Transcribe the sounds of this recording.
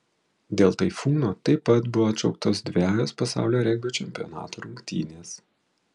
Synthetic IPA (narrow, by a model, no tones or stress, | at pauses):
d̪ʲeːlˠt̪ɐɪfuːnoːt̪ɐɪpɐt̪bʊʋoːɐt̪t͡ʃɐʊk̚t̪oːsd̪ʲʋʲæːjoːspɐsɑ̰ˑʊlʲoːɾʲɛŋʲɡʲoːt͡ʃʲɛmʲpʲiɔ̰nɑ̰ːt̪oːɾʊŋkt̪ʲḭːnʲeːs